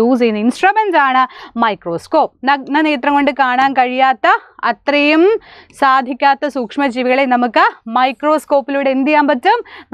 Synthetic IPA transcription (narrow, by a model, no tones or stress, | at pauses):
uːsejnːɨinsʈrɐʋensaːɳɨmɐjkro̞ːsko̞ːpnnɐneːt̪rɐŋɡo̞ɳɖɨkaːɳaːnkɐɻijaːt̪ːɐɐt̪rɐjumsaːd̪ʱikʲːaːt̪ːɐsuːkʂmɐd͡ʑiʋiɣɐɭenɐmukːɨmɐjkro̞ːsko̞ːpːiluːɽeend̪jaːmpɐtːum